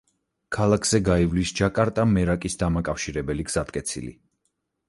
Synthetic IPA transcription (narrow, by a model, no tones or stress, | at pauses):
kʰalˠakʰz̥ɛɡaivlisd͡ʒakʼaɾt̪ʼamɛɾakʼisd̪amakʼafʃiɾɛbɛliɡz̥at̪kʼɛt̪sʰḭlḭ